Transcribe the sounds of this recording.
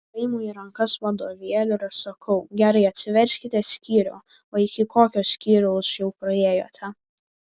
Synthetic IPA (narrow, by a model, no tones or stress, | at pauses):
kɐɪmuːiɾɐŋkɐsʋɐd̪oːʋʲiɛlʲʊɪɾɐʃsɐkʰɐʊɡʲæːɾɐɪɐt̪ʲsʲɪʋʲɛɾʲsʲkʲɪt̪ʲɛsʲkʲiːɾʲoː | oːɪkʲɪkoːkʲoːssʲkʲiːɾʲoʊsjɛʊpɾɐeːjoːt̪ʰʲɛ